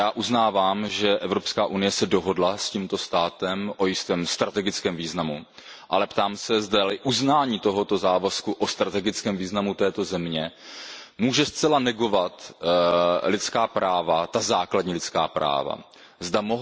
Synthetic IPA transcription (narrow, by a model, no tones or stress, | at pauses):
jaːʔuznaːvaːmʒɛʔɛvɾo̞pskaːʔunɪjɛsɛdo̞ɦo̞dlasciːmt̪o̞st̪aːt̪ɛmʔo̞jɪst̪ɛːmst̪ɾat̪ɛɡɪt͡skɛːmviːznamu | ʔalɛpt̪aːmsɛzdalɪʔuznaːɲiːt̪o̞ɦo̞t̪o̞zaːvaskuʔo̞st̪ɾat̪ɛɡɪt͡skɛːmviːznamut̪ɛːt̪o̞zɛmɲɛ | muːʒɛst͡sɛlanɛɡo̞vat̪ | lɪt͡skaːpɾʔaːvat̪azaːkladɲiːlɪt͡ska̰ːpɾa̰ːva̰ | zd̪amoɦ